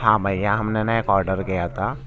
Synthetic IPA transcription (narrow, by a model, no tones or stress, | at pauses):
hãmɐjjãɦɐmnenɐjkɔːɾɖəɾkijat̪ʰaː